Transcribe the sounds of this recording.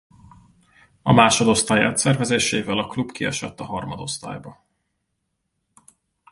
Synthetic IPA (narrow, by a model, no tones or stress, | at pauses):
ɒmaːʃo̞d̪o̞st̪aːjɛ̰t̪sɛrvɛzeːʃeːvɛlɒklubkiɒ̰ʃɒ̰t̪ːɒɦɒrmɒd̪o̞st̪a̰ːjbɒ